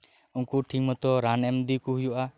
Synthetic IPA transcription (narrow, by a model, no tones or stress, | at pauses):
uŋkuʈʰiŋmɔt̪ɔɾanɛmd̪ikuɦujuʔa